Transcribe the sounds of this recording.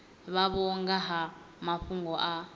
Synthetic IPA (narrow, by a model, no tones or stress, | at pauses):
βaβɔŋɡaɦa | maɸuŋɡɔʔa